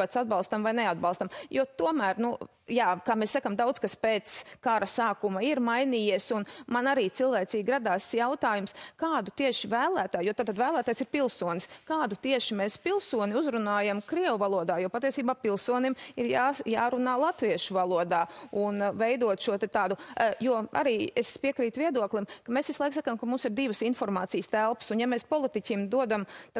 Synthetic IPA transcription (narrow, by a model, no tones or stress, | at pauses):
at̪sad̪̚bɑlˠst̪amvajnead̪̚balˠst̪amjut̪uɔmæːɾnu | jaːkaːmɛsːakamd̪awd̪zkaspeːt̪skaɾɐsaːkumaiɾmajniːjiɛsunmanaɾiːt̪silˠʋæːt̪siːɡʲɾad̪aːsjawt̪aːjumskaːd̪ut̪iɛʃivæːlˠæːt̪aːjuɔt̪aːt̪ːad̪væːlˠæːt̪aːjsiɾpilˠsuɔnɪskaːd̪ut̪iɛʃimɛːspilˠsuɔnʲiuzɾunaːjamkɾiɛwuvalˠuɔd̪aːjuɔpat̪iɛsiːbaːpilˠsuɔnimiɾjajaːɾunaːlˠat̪viɛʃuvalˠuɔd̪aːunvɛjd̪uɔt̪ʃuɔt̪ɛt̪aːd̪ujuɔa̰ɾiːespiɛkɾiːt̪viɛd̪uɔklˠimkɐmesʋʲislˠaɪksakamkɐmumsiɾd̪iːʋəsinfɔɾmaːt̪iːjst̪ælˠpə̥sunjamɛspɔlˠit̪icʲimd̪uɔd̪amt̪a